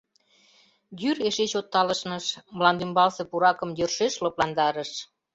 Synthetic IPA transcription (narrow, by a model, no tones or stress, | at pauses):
jyɾeʃet͡ɕot̪ːɑləʃnəʃmlɑnd̪ymbɑlsĕpuɾɑkə̆mjørʃeʃloplɑnd̪ɑɾəʃ